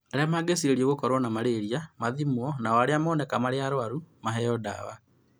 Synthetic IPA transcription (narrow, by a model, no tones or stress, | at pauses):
aɾeamaːɡesiɾeɾioɣokɔɾwɔnamaɾeɾiamaðimwɔnawaɾeamɔːnɛkamaɾeaɾoaɾumaɦɛɔda̰wa